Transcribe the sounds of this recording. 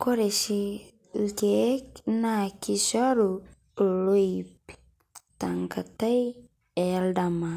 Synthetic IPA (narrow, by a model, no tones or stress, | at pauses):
koɾeʃi | lɡeknakiʃaɾu | loip | taŋkataj | eldama